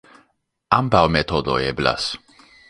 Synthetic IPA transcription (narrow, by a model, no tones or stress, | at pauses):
ambawmet̪od̪o̰ebla̰s